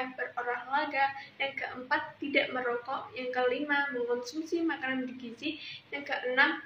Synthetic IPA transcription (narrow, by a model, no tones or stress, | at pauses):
abəroɾahlaɡajaŋkəʔəmpat̪ːidaʔməɾɔkɔʔjaŋkəlimaməŋkɔnsumsimakanandiɡit͡ʃijaŋkəʔənam